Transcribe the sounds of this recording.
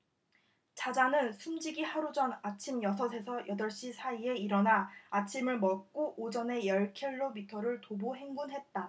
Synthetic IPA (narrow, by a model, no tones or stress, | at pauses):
t͡ɕad͡ʑanɯnsʰumd͡ʑiɡihaɾud͡ʑʌnat͡ɕʰimjʌsʰʌsʰe̞sʰʌjʔʌdʌɭɕ͈isʰaie̞iɾʌnaːt͡ɕʰimɯɭmʌk̚k͈oʔːd͡ʑʌne̞jʌɭkʰeɭːobitʰʌɾɯɭtoboɦe̞ŋɡunɦe̞t̚t͈a